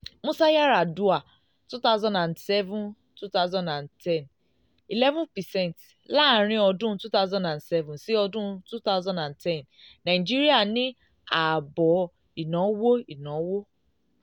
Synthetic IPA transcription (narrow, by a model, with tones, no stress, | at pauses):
mũ˦sa˦ja˦ɾa˨du˦a˨ | tu˦ta˦ʊzɔ̃˦ndã˨ndsɛ˦vũ˦n | tu˦ta˦ʊzɔ̃˦ndã˨ntʰɛ̃˦˨n | i˨lɛ˦vũ˦pɛ˨sɛ̃˦˨nt | la˦˨˦ɾ̃ĩ˦ɔ˧dũ˦tu˦ta˦wzɔ̃˦ndã˨nsɛ˦vũ˨nsi˦ɔ˧dũ˦tu˦ta˦ʊzɔ̃˦ndã˨ntʰɛ̃˦˨n | nã˨i˨d͡ʒi˦ɾi˦a˦˨nĩ˦ | a˨bɔ˨ | i˨nɔ̃˨˦wo˦i˨nɔ̃˨˦wo˦